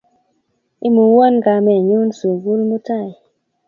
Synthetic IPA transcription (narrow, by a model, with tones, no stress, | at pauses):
i˦mu˨wo˦nɡa˨mɛ˨ɲu˦nsu˨ɡu˦lmu˦ta˦˨j